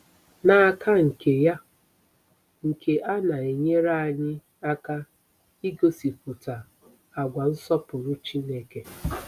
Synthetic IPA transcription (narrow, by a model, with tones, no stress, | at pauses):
na˨kʰa˦ŋ̩˨ke˨ja˦ | ŋ̩˨kʰe˦ʔa˦na˨e˨ɲe˦ɾa˦a˨ɲɪ˦ | a˦ka˦ | i˦ɡo˦si˨pʊ˨ta˨ | a˨ɡʷa˨n̩˦sɔ˦pʊ˨ɾʊ˦t͡ʃi˦ne˦ke˨